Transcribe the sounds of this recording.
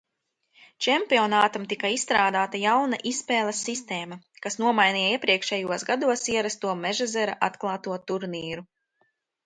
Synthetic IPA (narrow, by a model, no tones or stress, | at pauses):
t͡ʃɛmpiɔnaːt̪amt̪ikaisst̪ɾaːd̪aːt̪ajawnaʔispɛːlˠesːist̪eːmɐkasnuɔmajnijiɛpɾiɛkʃɛjuɔsɡad̪uɔsiɛɾast̪uɔmɛʒazɛɾaʔa̰t̪klˠaːt̪uɔt̪uɾniːɾu